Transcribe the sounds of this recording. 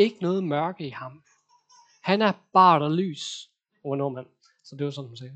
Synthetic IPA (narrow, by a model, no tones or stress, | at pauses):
e̝ɡ̥ənɔ̽ːð̞̩ˠmɶɐɡ̥əihɑ̈m | hænæɐb̥ɑ̰̈ːɾ̥ɐly̰ːs | oɐno̝ɐmæn̰ | sɒd̥e̝ʋɑsɒ̽nhumsɛː